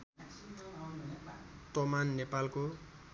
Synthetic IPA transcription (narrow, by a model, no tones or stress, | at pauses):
t̪ʌmanːepalko